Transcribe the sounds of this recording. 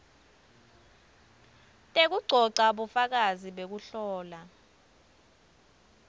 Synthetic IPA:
tʼek̬uɡ͡ǀʱɔǀaɓufak̬aziɓek̬uɬɔːla

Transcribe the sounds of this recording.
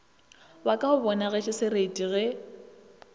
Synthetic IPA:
wakʼaʊbɔnaɣɛʃʰɪsɪɾetʼiɣɛ

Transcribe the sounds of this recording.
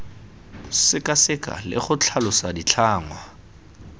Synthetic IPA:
sɪkʼasɪkʼa̰lɪ̰χʊt͡ɬʰalʊsadit͡ɬʰaːŋwa

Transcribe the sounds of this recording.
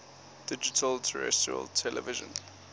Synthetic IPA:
d̥ɪd͡ʒitʰəltʰəɹɛ̰stɹiə̰ltʰɛlɛvɪʒə̰̃n

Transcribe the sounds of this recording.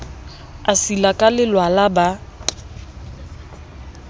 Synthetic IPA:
asilakʼalɪlwalaba

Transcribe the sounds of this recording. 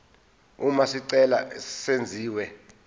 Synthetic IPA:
umasiǀɛlasend͡zʱiːwɛ

